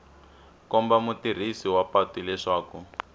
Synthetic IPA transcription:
kɔmbamutir̤isiwapatilɛʂaːku

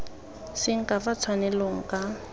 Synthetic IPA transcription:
sɪŋ̩kʼafat͡sʰwanɛloŋ̩kʼa

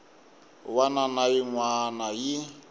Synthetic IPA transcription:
wananajiŋwanaji

